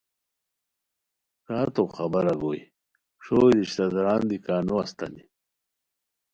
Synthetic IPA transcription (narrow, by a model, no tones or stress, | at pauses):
kaːɾt̪oxɐbɐɾɐɡoːj̰ | ʂoːdiɕt̪azaɾaːnd̪ikaːnoast̪a̰ni